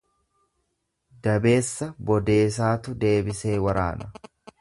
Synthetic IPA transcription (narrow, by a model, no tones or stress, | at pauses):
d̪ɐbe̞ːsːɐbɔd̪e̞ːs̬aːt̪ʊd̪e̞ːbɪse̞ːwɐɾa̰ːnɐ